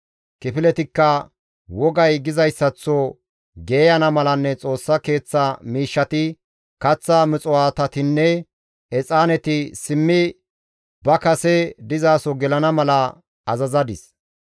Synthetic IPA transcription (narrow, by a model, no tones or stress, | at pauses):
kɪpɪlɛt̪ɪkːɐ | wɔɡɐjɡɪzɐjsːɐt͡sːɔ | ɡeːjɐnɐmɐlɐnːɛt͡sʼo̞ːsːɐke̞ːt͡sːɐmiːʃːɐt̪ɪ | kɐt͡sːamɪt͡sʼɔwaːt̪ɐt̪ɪnːɛ | ɛt͡sʼaːnɛt̪ɪsɪmːɪ | bɐkɐsɛd̪ɪzaːsɔɡɛlɐnɐmɐlɐ | ɐzɐzɐd̪ɪs